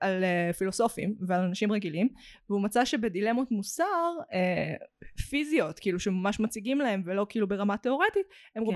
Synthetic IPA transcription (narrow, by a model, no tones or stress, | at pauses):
alefilo̞so̞fḭmvealanaʃimʁeɡilimveumat͡saʃe̞bedile̞mot̪musaʁe | fizio̞t̪kiːluʃemamaʃmat͡siɡimlahe̞mvelo̞kiilube̞ʁamateo̞ʁet̪it̪emʁo